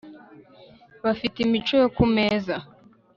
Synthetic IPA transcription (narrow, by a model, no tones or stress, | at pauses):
βafitimit͡ʃo̞jokume̞ːza